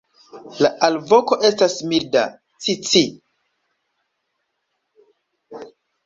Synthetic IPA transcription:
laʔalvoko̞ʔe̞stasmilda̰ | t͡sit͡si

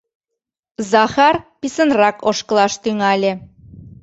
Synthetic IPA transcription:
zɑxɑrpisənrɑkoʃkə̆lɑʃt̪yŋɑlʲĕ

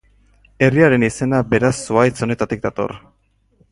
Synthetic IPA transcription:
e̞riaɾe̞nise̞nabe̞ɾasːuajt͡so̞ne̞t̪at̪ik̚d̪at̪o̞̰r

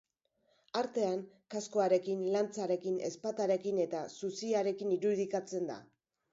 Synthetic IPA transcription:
aɾt̪e̞aŋ | kasko̞aɾe̞kinlant͡saɾe̞kine̞̰spat̪aɾe̞kine̞t̪asusiaɾe̞kiniɾuðikat͡se̞nd̪a̰

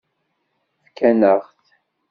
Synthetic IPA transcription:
fkænəʁθ

